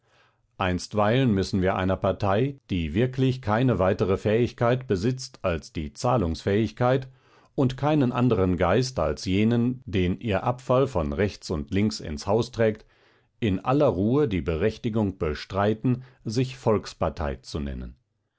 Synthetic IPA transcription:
ʔaɪnstv̥aɪlənmʏsn̩viːɐʔa̰ɪnɐpaɐtʰaɪd̥iːvɪɐkʰlɪçkʰaɪnəvaɪtəʁəfɛːɪçkʰaɪtb̥əzɪt͡stʰalsd̥iːt͡saːlʊŋsfɛːɪçkʰaɪt | ʊntkʰaɪnənʔa̰ndəʁənɡaɪsta̰lsjeːnənd̥eːnʔiːɐʔapfalfɔnʁɛçt͡sʊntʰlɪŋksɪ̰nshaʊstʁ̥ɛːk̚t | ʔɪnʔa̰lɐʁuːədiːbəʁɛçtɪɡʊŋb̥əʃtʁ̥aɪtn̩zɪçfɔlkspaɐtʰa̰ɪt͡sunɛ̰nə̰n

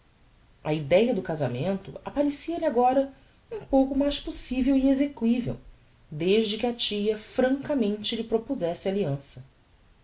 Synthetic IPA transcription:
ɐ̰id̪ɛjɐd̪ʊkazamẽnt̪ʊapaɾesiɐʎɪaɡɔɾɐ | ũpowkʊmajʃposivewiezekwivḛw | d̪eʒd͡ʒɪkɪɐt͡ʃijɐfɾɐ̃ŋkɐmẽnt͡ʃɪlɪpɾopuzɛsɪaliɐ̃sɐ

